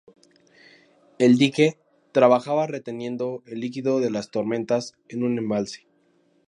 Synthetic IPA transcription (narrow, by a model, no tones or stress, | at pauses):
e̞ld̪ike̞ | t̪ɾaβaxaβare̞t̪e̞nje̞nd̪o̞e̞lːikiðo̞ðe̞last̪o̞ɾmẽ̞nt̪as | enũnẽ̞mbalse̥